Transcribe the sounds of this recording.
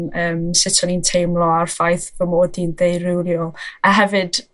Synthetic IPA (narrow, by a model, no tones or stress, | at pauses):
əːmsɪtʰɔnintʰejmlˠɔarfajθvəmoːdindejrɪwljɔaɦɛvɨd̥